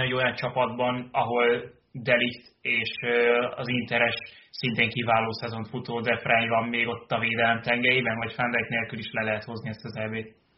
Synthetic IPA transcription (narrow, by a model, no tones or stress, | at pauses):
eɟo̞jɒnt͡ʃɒpɒd̪bɒnɒɦo̞l | d̪ɛlikt̪eːʃøɒ̰zint̪ɛɾɛʃsint̪eːŋkivaːloːsɛzo̞ɱfut̪oːd̪ɛfrɛɲvɒmːeːɡo̞t̪ːɒveːd̪ɛlɛmt̪ɛŋɡɛɾibɛnvɒcfɛnd̪ɛikt̪neːlkyliʃlɛlɛɦɛt̪ho̞zniɛst̪ɒzɛbeːt̪